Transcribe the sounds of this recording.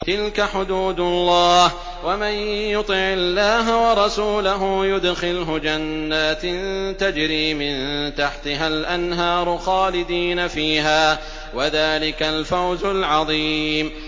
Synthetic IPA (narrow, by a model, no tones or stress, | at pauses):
t̪ɪlkaħʊd̪uːd̪lˤːɑːh | wamanjʊt̪ˤɪʕɪlːaːɦawɑɾˤɑsuːlaɦʊjʊd̪xɪlɦʊd͡ʒanːaːt̪nt̪ad͡ʒɾiːmɪnt̪aħt̪ɪɦalʔanɦɑːɾˤʊxɑːlɪd̪iːnafiːɦaː | waðaːlɪkalfawzʊlʕɑðˤiːm